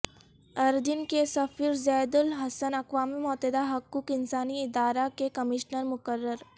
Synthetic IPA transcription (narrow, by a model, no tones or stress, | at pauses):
ɐɾd̪ɪnkesɐfiːɾzɛːd̪ʊlɦɐsənɐkʋaːmimɔːt̪ed̪aɦɐkːuːkɪnsaːniɪd̪aːɾakekɐmɪʃnəɾmʊkəɾːəɾ